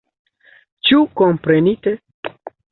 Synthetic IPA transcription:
t͡ʃuko̞mpɾe̞nite

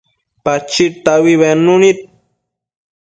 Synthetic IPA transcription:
pat͡ʃit̪awiβenunit̪̚

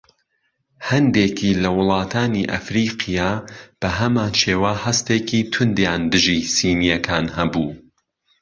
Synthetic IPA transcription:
hɐnd̪eːkʰiːlɐwʊlˠɑːt̪ʰaːniʔɐ̰fɾiːqʰijaːb̥ɐɦɐmaːnt͡ʃeːwɐhɐst̪eːkiːt̪ʰʊnd̪jaːnd̪ɨʒisiːnijɐkʰaːnhɐbuː

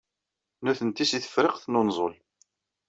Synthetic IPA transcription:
nuθənt̪isiθə̥fɾɪqθnonzˤo̰l

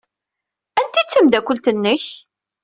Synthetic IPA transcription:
ænt̪it͡sːəmd̪ækʷəlt̪ənːəç

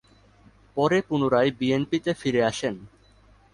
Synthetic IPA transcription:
pɔɾepunoɾaebienpit̪efiɾeaʃen

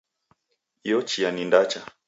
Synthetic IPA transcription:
jɔt͡ʃianindat͡ʃa

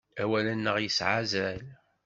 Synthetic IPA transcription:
æwælænːəʁjəsʕazæl

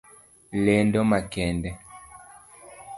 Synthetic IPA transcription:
lɛndɔmakɛndɛ

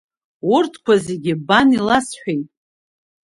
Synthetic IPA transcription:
ʊrtʰkʷazeɡʲɪbanilasħʷᶣejtʼ

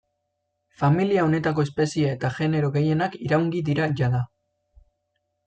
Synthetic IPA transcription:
familiao̞ne̞t̪ako̞e̞spe̞siae̞t̪aʝe̞ne̞ɾo̞ɣe̞je̞nakiɾawŋɡiðiɾaʝaða

